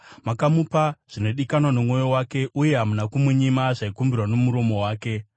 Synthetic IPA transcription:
makamupaʐ̥ino̞ɗikanwanomŋo̞jo̞wake̞ʔuje̞ɦamunakumwuɲimaʐaikumbirwano̞muɾo̞mo̞waːke̞

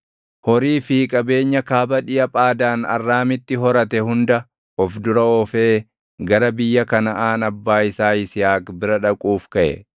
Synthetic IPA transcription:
hɔɾiːfiːkʼɐbe̞ːɲːɐkaːbɐᶑɪjɐpʼaːd̪aːnɐ̰rːaːmɪt̪ːɪɦɔɾɐt̪ɛhʊnd̪ɐ | ɔfd̪ʊɾɐɔfe̞ː | ɡɐɾɐbɪjːɐkɐnɐʔaːnɐbːaːɪsaːɪsɪjaːkbɪɾɐᶑɐkʼuːfkɐʔɛ̰

